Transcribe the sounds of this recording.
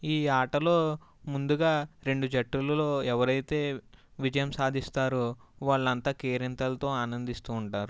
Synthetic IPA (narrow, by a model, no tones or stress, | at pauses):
iːaːʈɐlo̞ː | mund̪uɡaːɾe̞ɳɖud͡ʒɐʈːulɐlo̞ːɛʋɐɾɐjt̪e̞ːʋid͡ʒɐjɐmsaːd̪ʱist̪aːɾuʋaːɭːɐnt̪aːkeːɾint̪ɐlɐt̪o̞ːaːnɐnd̪ist̪uːɳʈaːɾu